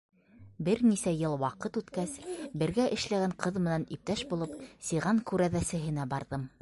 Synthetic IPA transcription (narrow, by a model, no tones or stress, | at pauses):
bɘɾnisæjɤlˠwɑqɤt̪ʉt̪kæsbɘ̆ɾɡæʔɘ̆ʃlæɡæɴqʰɤðmɘ̆nænip̚t̪æʃbulˠɤpsiʁɑŋkʉɾæðæsɘ̆ɦɘ̆næbɑɾðɤm